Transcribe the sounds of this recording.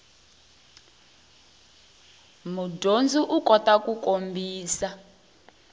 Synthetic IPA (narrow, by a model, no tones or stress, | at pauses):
mudond͡zuʔukɔtakukombʱiːsa